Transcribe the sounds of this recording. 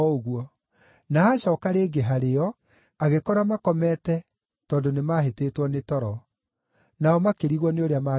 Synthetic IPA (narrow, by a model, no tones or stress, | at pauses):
oɣuɔ | naaɕɔːkaɾeːɡeɦaɾeɔ | aɣekɔɾamakɔmɛtɛ | tɔːndonemaːɦeteːtwɔnetɔɾɔ | naɔmakeɾiɣwɔneoɾeamaː